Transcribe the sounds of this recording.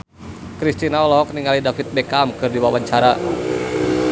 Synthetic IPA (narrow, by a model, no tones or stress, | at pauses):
kɾist̪inaɔlɔɦɔk̚niŋalidafit̪̚bɛkamkɨrdiwawaɲt͡ʃaɾa